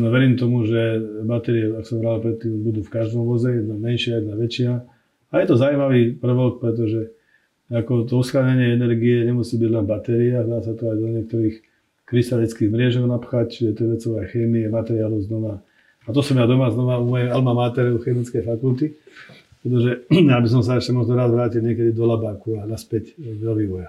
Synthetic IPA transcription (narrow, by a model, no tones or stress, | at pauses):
ɔʋɛɾiːmt̪ɔmuʒɛbat̪ɛɾiɛakɔ̥sɔmɦɾalpɾɛt̪ːiːmbud̪uːfkaʒd̪ɔmʋɔzɛjɛd̪namɛnʃɪajɛd̪naʋɛt͡ʃina | ajɛt̪ɔzauimaʋiːprɾ̩ʋɔlk̚pɾɛt̪̬ɔʒɛ | akɔt̪ɔusxɾaɲaɲɪɛɛnɛɾɡiɛɲɛmusiːbiɟlɛnbat̪ɛɾiazd̪aːsat̪ɔajd̪ɔɲɪɛk̚t̪ɔɾiːx | kɾist̪alit͡skiːɣmɾɪɛʒɔʊnapxact͡ʃiʒɛɛt̪ɔʋɛt͡sɔʋɛjxɛːmiɛmat̪ɛɾiaːlɔʊznɔʋa | at̪ɔsɔmjad̪ɔmaznɔʋaumɔjɛjalmamaːt̪ɛɾɔʊxɛmit͡skɛjfakult̪i | pɾɛt̪̬ɔʒɛjabis̬ɔms̬aɛʃcɛmɔɦlɔɾazʋɾaːcidɲɪɛkɛd̪id̪ɔlabaːkuanaspɛcd̪ɔʋiːʋɔja